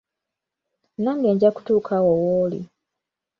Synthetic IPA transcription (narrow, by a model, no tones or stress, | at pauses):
naːŋɡeːɲɟaku̥tuːkʰawowoːlḭ